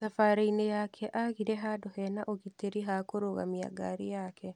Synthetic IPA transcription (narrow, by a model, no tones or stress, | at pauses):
safaɾeinejaːkʰɛʔaɣiɾɛɦaːdɔhɛnaʔoɣit̪ːeɾiɦaːkoɾoɣa̰mija̰ɡa̰ɾijaːkʰɛ